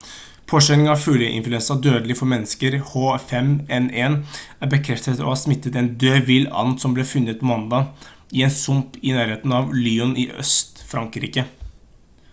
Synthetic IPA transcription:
pʰoːʂɛɪŋɑʋfʉljəʔɪ̰nflɛnsɑd̪øːd̪əlɪfɔɾmɛnːəskəɾhoːfɛmɛneːnæɾbəkʰɾɛft̪ət̪ɔ̰hɑːsmɪt̪ːət̪ɛnd̪øːʋɪlɑ̰nt̪sɔmbleːfʉnːət̪mɑnd̪ɑː | ɪɛːnsʊmpɪnæːɾheːt̪n̩ɑʋlyːʊnʔɪʔœ̰st̪fɾɑŋkɾiːkə

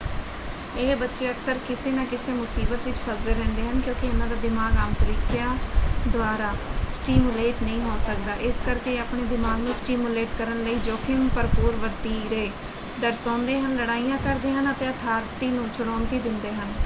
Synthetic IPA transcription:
ɪːbətːʃeːəksəɾkɪseːnãːkɪseːmʊsiːbət̪ʋɪt͡ʃpʰəzeɾɛ̃ːnd̪eːɦənkjõːkɪɪnãːd̪aːd̪ɪmaːɡaːmt̪əɾiːkɪjaːd̪ʊaːɾaːsʈiːmʊleːʈnəĩːɦoːsəkd̪aːʔɪskəɾkeːaːpɳeːd̪ɪmaːɡnũːsʈiːmuleːʈkəɾənləiːd͡ʒoːkʰɪŋpəɾpʊːɾʋəɾt̪iːɾeː | d̪əɾsãːnd̪eːɦənləɽaːiːjãːkəɾd̪eːɦənət̪ẽːət̪ʰaːɾt̪iːnũːt͡ʃʰʊɽaːnd̪iːd̪ɪnd̪eːɦən

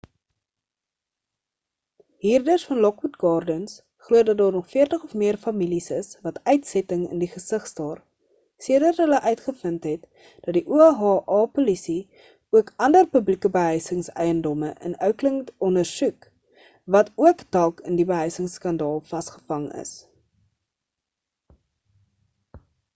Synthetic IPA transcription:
ɦiːrdərsfɐnlɔkwutɡɑːrdəns | χluədɐt̚dɑːrnɔχfiərtəχɔfmiərfɐmilisəsvɐtœɥtsɛtəŋə̰ndiχəsəχstɑːr | siədərɦələʔœɥtχəfəntɦɛt | d̥ɐt̚diʔuɛɦɑːʔɑːpolisi | uəkɐndərpəblikəbəɦœɥsəŋsɛ̰jəndɔməʔə̰nœwkləŋɔndərsʉk | vɐtʰuəkdɐlˠkʰəndibəɦœɥsəŋskɐndɑːlˠfɐstχə̥fɐŋə̰s

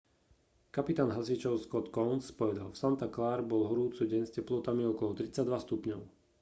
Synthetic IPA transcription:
kapit̪aːnɦasit͡ʃɔʊskɔt̪kɔʊnspɔʋɛd̪alfsant̪aklaːɾbɔlɦɔɾuːt͡suɟɛɲscɛplɔt̪amiɔkɔlɔt̪ɾit͡sːaɟd̪ʋast̪upɲɔʊ

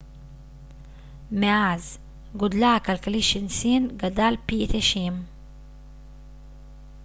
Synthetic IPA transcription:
meaz | ɡʊd̪lakalkliʃinsinɡad̪alpit̪eʃim

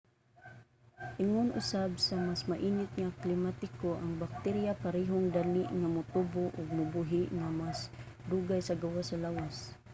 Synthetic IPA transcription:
ʔɪŋʊnʔʊ̰sabsamasmaʔiːnɪt̪̚ŋaklɪmat̪ɪkoʔaŋbak̚t̪ɛɾjapaɾɛːɦoŋd̪alɪʔŋamʊt̪ubʊʔʊɡ̚mʊbuɦɪʔŋamas | d̪uɡajsaɡawasalawas

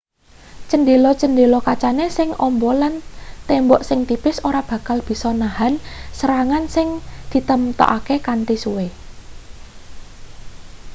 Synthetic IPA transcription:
t͡ʃənɖelɔt͡ʃənɖelɔkat͡ʃanesɪŋɔmbɔlant̪embɔʔsɪŋt̪ipɪsoɾab̥ä̤kalb̥i̤sɔnahansəɾaŋansɪŋd̪̥i̤t̪əmt̪ɔ̰ʔakekant̪isuwe

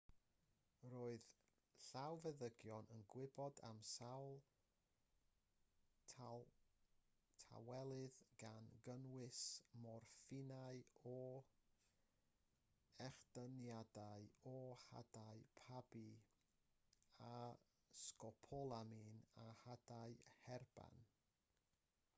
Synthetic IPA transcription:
roːɨð | ɬawvɛðəɡjɔnənɡwɪbɔda̰msawlˠ | tʰa̰wɛlˠɨðɡanɡənwɪsmɔrfɪnaɨɔ | ɛχd̥ənjadaɨɔha̰daɨpʰabi | a | skɔpʰɔlˠaminahadaɨhɛrb̥a̰n

